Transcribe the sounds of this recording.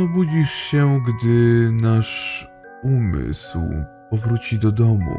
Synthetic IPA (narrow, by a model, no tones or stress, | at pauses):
ɔbud͡ʑiʂɕɛɡd̪ɘnaʂ | umɘ̰swp̚ɔvɾut͡ɕid̪ɔd̪ɔmṵ